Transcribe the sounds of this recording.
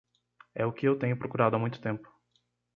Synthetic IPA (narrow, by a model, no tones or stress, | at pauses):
ɛʊkɪewt̪ẽɲʊpɾokuɾad̪ʊamũj̃t̪ʊt̪ẽmpʊ̥